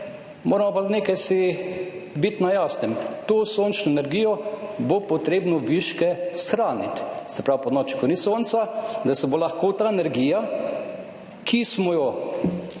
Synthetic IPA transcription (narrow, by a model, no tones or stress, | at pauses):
moːɾɛmɔpaneːkajsi | bit̪najasnɛmt̪oːsoːnt͡ʃnɔɛnɛɾɡiːjɔbopɔt̪ɾeːbnɔʋiʃkɛsxɾaːnit̪sɛpɾawpɔnɔːt͡ʃi̥kɔniːsoːnt̪sad̪asɛbolaxkoːt̪aːɛnɛɾɡija | kʰismɔjɔ